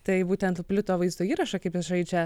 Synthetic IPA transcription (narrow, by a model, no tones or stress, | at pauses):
t̪ɐɪbuːt̪ʲɛnt̪ːpʲlʲʊt̪oːʋɐɪzd̪oːiːɾɐʃɐkɐɪpjɪsʒɐɪd͡ʒʲɛ